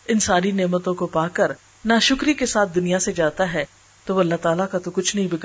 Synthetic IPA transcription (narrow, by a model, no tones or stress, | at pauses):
ɪnsaːɾineːmət̪õkopaːkɐɾ | naʃʊkɾikesaːt̪̚ʰd̪ʊnijased͡ʒaːt̪aɦɛː | t̪oːʋoːɐlːaɦt̪aːlakat̪okʊt͡ʃʰnɐɦĩbɪɡ